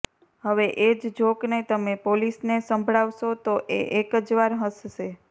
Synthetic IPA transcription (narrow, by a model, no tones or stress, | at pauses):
ɦəʋeʔed͡ʒd͡ʒoknet̪əmepolisnesəmbʱɭaʋʃot̪oʔḛʔekəd͡ʒʋaɾɦəsʃe